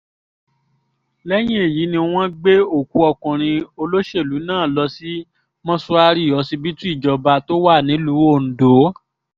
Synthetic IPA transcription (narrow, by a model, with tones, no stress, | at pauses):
lɛ˦j̃ĩ˦e˨ji˨˦nĩ˧w̃ɔ̃˦ɡ͡be˦o˦˨ku˨˦ɔ˧kũ˨ɾ̃ĩ˧o˧lo˦ʃe˦˨lu˨˦nãː˦˨lɔ˧si˦ | mɔ̃˦sɔ˧a˧ɾi˦˨jɔ˨˦si˧bi˦tũ˦i˦˨d͡ʒɔ˨ba˧to˦wa˦˨nĩ˨˦lu˨˦o˦˨n̩˨do˨˦